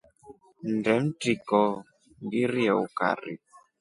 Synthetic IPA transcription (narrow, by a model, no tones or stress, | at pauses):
ndɛm̩tikɔ | ŋɡiɾiɛuka̰ɾḭ